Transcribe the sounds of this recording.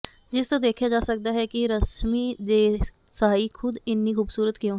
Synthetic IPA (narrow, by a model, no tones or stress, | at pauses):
d͡ʒɪst̪õːd̪eːkʰjaːd͡ʒaːsək̚d̪aːɦɛkɪɾəsmiːd̪eː | saːixʰʊd̪ɪnːiːxuːbsuːɾət̪kjõː